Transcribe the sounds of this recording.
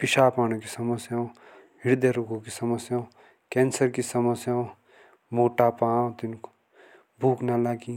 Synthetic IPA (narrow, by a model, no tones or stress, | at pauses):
pɪʃaːpaːñõkisɐməsjaõ | ɦɪɽd̪eɾukõkisɐməsjaõ | kɛːnsəɾkisɐməsjaõ | moːʈapãːt̪ɪnko̥ | bʱuːknalaɡi